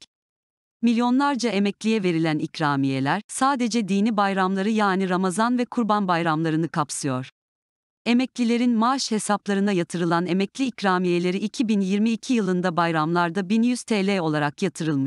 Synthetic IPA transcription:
milʲjo̞nlˠaɾd͡ʒae̞mɛclʲijɛve̞ɾilʲænicɾaːmije̞lʲæɾ̥saːd̪e̞d͡ʒɛd̪iːnibajɾamlˠaɾɯjaːniɾamazanvɛkʰuɾbanbajɾamlˠaɾɯnɯkapsɯjo̞ɾ̥ | e̞mɛclʲilʲe̞ɾinmaʃhe̞saplˠaɾɯnd̪ajat̪ʰɯɾɯlˠane̞mɛclʲiːcɾaːmije̞lʲe̞ɾiːcʰibinjiɾmiːcʰijɯlˠɯnd̪abajɾamlˠaɾd̪abinjyz̥t̪ʰeːlʲɛo̞lˠaɾakjat̪ʰɯɾɯlˠmɯʃ

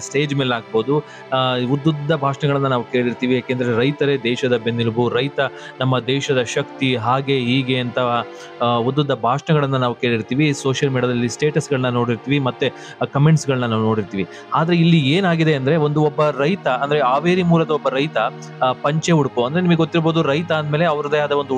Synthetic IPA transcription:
sʈeːd͡ʒmeːlaːɡ̚boːd̪u | ud̪ːud̪ːɐbʱaːʂɐɳɐɡɐɭɐnːɐnaːʋuke̞ːɭiɾt̪iːʋijaːkeːnd̪ɐɾeɾɐjt̪ɐɾed̪ɛːʃɐd̪ɐbend̪ilbuɾɐjt̪ɐ | nɐmːɐd̪ɛːʃɐd̪ɐʃɐkt̪iɦaːɡe̞ɦiːɡe̞ɐnt̪ɐ | ud̪ːud̪ːɐbʱaːʂɐɳɐɡɐɭɐnːɐnaːʋukeːɭiɾt̪iːʋiso̞ːʃjɐlmiːɽiaɐd̪ɐlːisʈeːʈɐsɡɐɭɐnːɐno̞ːɽiɾt̪iːʋimɐt̪ːe | kɐmeɳʈsɡɐɭɐnːɐnaːʋuno̞ːɽiɾt̪iːʋi | aːd̪ɐɾe̞ilːieːnaːɡid̪e̞ɐnd̪ɐɾe̞o̞nd̪uɔbːɐɾɐjt̪ɐɐnd̪ɐɾe̞aːʋeːɾimuːlɐd̪ɐɔbːɐɾɐjt̪ɐ | pɐɲt͡ʃeuɽpoɐnd̪ɾenimɐɡeɡot̪ːiɾbo̞ːd̪uɾɐjt̪ɐɐnd̪meːleɐʋɐɾɐd̪ɐjaːd̪ɐo̞nd̪u

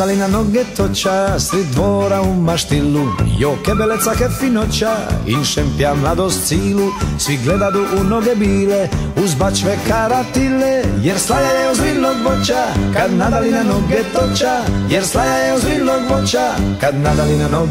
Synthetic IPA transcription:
alinanoɡɛt̪ot͡ʃasɾid̪voːɾaumaʃt̪ilːujokɛbelet̪sakɛfinot͡ʃaḭnʃɛmpjamlad̪ost̪siːlusʋiɡled̪ad̪uʔunoɡɛbiːlɛuzbat͡ʃʋɛkaɾat̪ilːɛjɛɾslajajɛuzbioɡbot͡ʃakad̪nad̪alinanoɡɛt̪ot͡ʃajɛɾslajajɛuzioɡbot͡ʃakad̪nad̪alinano

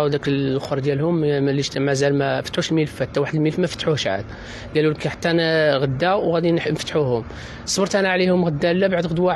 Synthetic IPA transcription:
wd̪æklxoɾˤd̪jælhʊmliʃmæzælmæfə̥t̪ħuʃlmilfæt̪ːæwaħəd̪əlmilfmæfə̥t̪ːħuhʃʕa̰d̪ | ɡælulkæħḁt̪ːænɣəd̪ːæɣæd̪innfət̪ħuhʊm | sˤbəɾˤt̪ʔænæʕlihʊmɣəd̪ːælːæbaʕd̪ɣəd̪wa

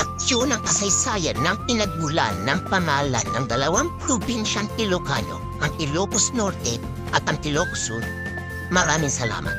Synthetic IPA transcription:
ʔɐk̚sjonɐŋkɐsɐjsaːjɐnːɐŋpɪnɐɡ̚ɡʊla̰nːɐŋpɐŋaːla̰nːɐŋd̪ɐlɐwaŋpɾobinʃɐnt̪ɪlokano̰ | ʔɐŋʔɪɾjoposnoɾt̪ɛ | ʔɐt̪ɐŋt̪ɪloksun | mɐɾaːmɪŋsɐla̰ːmɐ̰t̪

